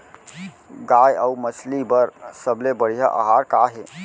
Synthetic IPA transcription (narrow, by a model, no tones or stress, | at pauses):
ɡaːjəuməslibəɾsəblebəɽ̤ijaʔə̰ɦaɾkaɦe